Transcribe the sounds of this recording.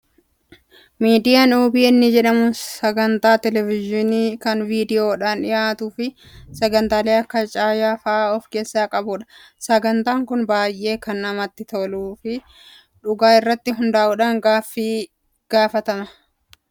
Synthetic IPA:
miːd̪ɪjanoːbɪɛnːɪd͡ʒɛᶑɐmʊsɐɡɐnt̪aːt̪ɛlɛvɪd͡ʒɪniːkɐnviːd̪ɪjoːᶑaːnᶑɪjaːt̪uːfɪ | sɐɡɐnt̪aːle̞ːɐkːɐt͡ʃʼaːjaːfɐʔaːɔfke̞ːsːaːkʼɐbʊᶑɐ̥ | sɐɡɐnt̪aːŋkʊnbaːjʔe̞ːkɐnːɐmɐt̪ːɪt̪oluːfɪ | ᶑʊɡaːɪrːɐt̪ːɪɦʊnd̪aːʔʊᶑɐŋɡaːfːiː | ɡ̥aːfɐt̪ɐmɐ

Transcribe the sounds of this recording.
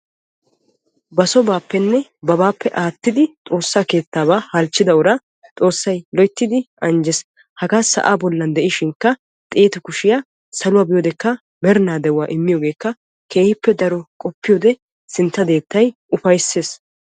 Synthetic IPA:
bɐsɔbaːpːɛnːɛbɐbaːpːɛʔaːt̪ːɪd̪ɪt̪ʼo̞ːsːaːke̞ːt̪ːaːβaːhɐlt͡ʃːɪd̪ɐʊɾaː | t̪ʼo̞ːsːɐjlɔjt̪ːɪd̪ɪʔɐnd͡ʒɛs | hɐɡaːsɐ̰ʔaːbɔlːɐnd̪ɛʔɪʃɪŋkːɐ | t̪ʼeːt̪ʊkʊʃɪjaː | sɐlʊwaːbɪjoːd̪ɛkːɐ | mɛɾnaːd̪ɛwʊwaːʔɪmːɪjoːɡe̞ːkːɐ | ke̞ːhɪpːɛd̪ɐɾɔkʼɔpːɪjoːd̪ɛ | sɪnt̪ːɐd̪e̞ːt̪ːɐjʔʊfɐjsːeːs

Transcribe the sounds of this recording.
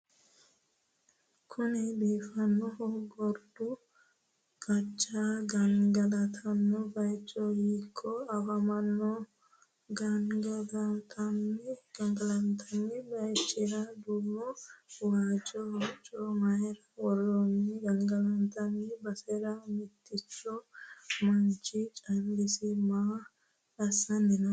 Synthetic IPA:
kʰʊnɛbiːfɐnːɔhɔɡɔɾd̪ʊ | ɡ̥ɐt͡ʃʼːaːɡɐŋɡɐlɐt̪ʰɐnːɔbɐjt͡ʃʼːɔhiːkʼːɔɐbɐmɐnːɔ | ɡɐŋɡɐɡɐnt̪ʰɐnːɪɡ̥ɐŋɡɐlɐnt̪ʰːɐnːɛbɐjt͡ʃʼːɛɾɐd̪uːmɔwaːt͡ʃʼːɔwat͡ʃʼːɔmɐjɛɾɐwɔɾɔnɛɡɐŋɡɐlɐnt̪ɐnːɛbɐsɛɾɐmɪt̪ʰːɪt͡ʃːɔmɐnt͡ʃɪt͡ʃʼɐŋɡɪsɪmaː | ɐsːɐnːɪnɐ

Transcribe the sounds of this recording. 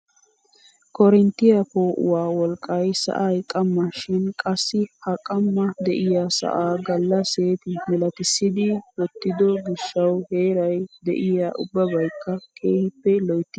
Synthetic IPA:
kʰɔɾɛnt̪ːɪjɐpoːʔʊ̰waːwɔlkʼːɐjsɐ̰ʔɐjkʼɐmːɐʃɪnkʼɐsːɪhɐkʼɐmːɐd̪ɛʔɪjasɐ̰ʔaːɡɐlːɐse̞ːt̪ɪmɛlɐt̪ɪsːɪd̪ɪwɔt̪ːɪd̪ɔɡɪʃːɐwhe̞ːɾɐjd̪ɛ̰ʔɪjaːʔʊbːɐbɐjkːɐkʰeːhɪpːɛlɔjt̪ːɪ

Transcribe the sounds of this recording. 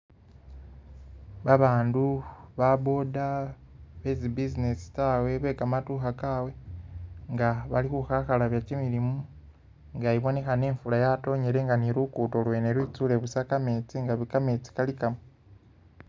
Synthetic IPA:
βaβaːnduβaβo̞da | βezibizinesi̥taːwe̞βe̞ːkamatuːxakaːwe̞ | ŋɡaβalikuxaxalaβjacimiɾimu | ŋɡajiβo̞ne̞xane̞ːɱfulajato̞ɲe̞ɾe̞ŋɡaniɾukuto̞lwe̞neɾwiːt͡sule̞βusakame̞ːt͡siŋɡaβikame̞t͡si̥kalikamu

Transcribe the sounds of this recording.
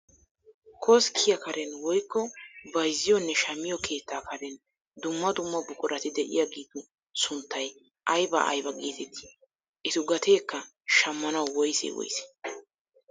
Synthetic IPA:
kʰɔskʰɪjɐkɐɾɛnwɔjkːɔbɐjzɪjɔnːɛʃɐmːɪjɔkʰe̞ːt̪ːaːkɐɾɛn | d̪ʊmːɐd̪ʊmːɐbʊkʼʊɾɐt̪ɪd̪ɛʔɪ̰jaɡiːd̪ʊ | sʊnt̪ːɐj | ʔɐjbɐ̰ʔɐ̰jbɐkʼiːt̪ɛt̪ːɪ̥ | ʔɪt̪ʊɡɐt̪ʰeːkːɐ | ʃɐmːɐnɐwwɔjsḛwɔ̰jsɛ̥

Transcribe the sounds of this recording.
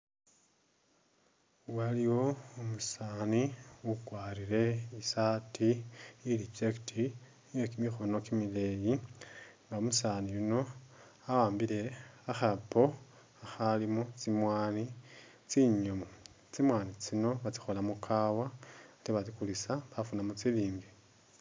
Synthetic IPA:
waliwo̞omusaniwukwaːɾiɾe̞isatʰiilit͡ʃektʰi | jokimixono̞kimile̞jiŋɡaomusanijuno̞ | awaːmbile̞axapo̞ | axalimut͡simwaːni | t͡siɲomo | t͡simwaːnit͡sino̞βat͡si̥xo̞lamukʰawaliβat͡sikulisaβafunamut͡siliːŋɡe

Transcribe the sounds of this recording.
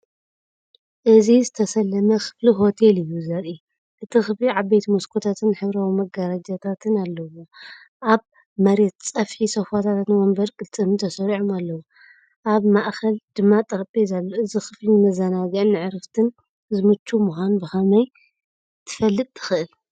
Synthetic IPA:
ʔɨzizɨt̪ʰɐsɐlːɐmɐkʰɨ̥fliɦo̞t̪ʰelɨjːuzɐɾi | ʔɨt̪ʰixɨfliʕaβbejt̪moskʰot̪ʰat̪ʰɨnħɨβɾawimɐɡaɾad͡ʒat̪ʰat̪ʰɨnalːɐwo | ʔaβ | mɐɾet̪̚t͡sʼɐfħisɐfat̪ʰat̪ʰat̪nwɐmbɐɾkʼɨlt͡s̪ʼɨmɨnt̪ʰɐsɐɾiʕomalːɐwu | ʔaβmaʔxʰɐld̪̥ɨmːat̪ʼɐɾbʼizalːoɨzixɨflimɐzɐnaɡnːɨʕɾɨft̪ʰɨn | zɨmɨt͡ʃːumuxʷanbɨxɐmɐj | t̪ʰɨ̥fɐlːɨt̪ʼːʰɨxɨʔɨl

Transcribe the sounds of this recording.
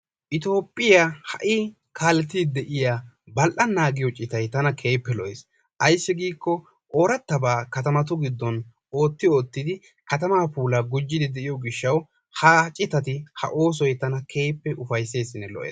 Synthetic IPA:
ʔɪt̪o̞ːpʼːɪjahɐʔɪ | kʰaːlɛt̪ːid̪ɛʔɪja | bɐlʔɐnːaːɡɪjɔt͡ʃʼɪt̪ɐjt̪ɐnɐkʰe̞ːpːɛlɔʔeːs | ʔɐjsːɪɡiːkːɔ | ʔo̞ːɾɐt̪ːɐbaːkɐt̪ɐmɐt̪̬ʊɡɪd̪ːɔn | o̞ːt̪ːɪoːt̪ːɪd̪ɪ | kɐt̪ɐmaːpuːlaɡʊd͡ʒːɪd̪ɪd̪ɛʔɪjɔɡɪʃːɐw | hɐt͡ʃʼɪt̪ɐt̪ɪhɐ̰ʔo̞ːs̬ɔjt̪ɐnɐkʰe̞ːpːɛʔʊfɐjse̞ːsɪnːɛlɔ̰ʔḛːs

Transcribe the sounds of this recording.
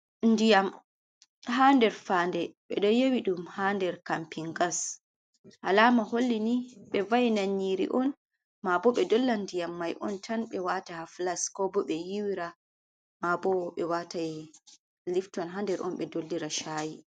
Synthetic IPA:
ndijam | ɦandɛɾfandɛɓɛ̰ɗɔjewiɗumhandɛɾkampiŋɡas | ha̰laːmaholːiniɓɛvajnaɲːiɾḭʔɔn | mabɔɓɛdɔlːandijamːajʔɔntʰanɓɛwatahaflaskɔbɔɓɛjiwiɾa | mabɔɓɛwataj | liftɔnɦandɛɾʔɔ̰nɓɛdolːiɾaʃaːji

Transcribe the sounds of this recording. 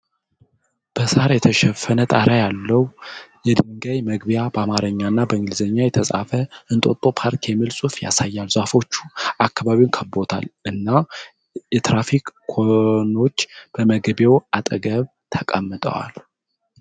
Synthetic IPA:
b̥əsaɾajɛt̪ʰəʃɛfənət̪ʼaɾajalːəwujɛd̪ɨŋɡajməɡbjabəamaɾəɲːanːabəɨŋɡɨlzəɲːajɛt̪ʰəsʼa̰fəʔɨnt̪ʼo̞t̪ʼo̞pʰaɾkʰɛmɨlsʼufja̰sajːalzafo̞t͡ʃːu̥akːaβaβiwnkʰəbo̞t̪ʰa̰lɨnːa | jɛt̪ɾafikʼːʰono̞t͡ʃːb̥əməɡbe̞wat̪ʼəɡəβ | t̪ʰəkʼəmːɨt̪ʼə̰wa̰l

